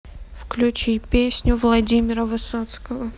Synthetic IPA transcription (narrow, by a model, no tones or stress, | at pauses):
fklʲʉt͡ɕipʲesʲnʲʊvlˠɐdʲimʲɪɾəvɨsot̪skəvə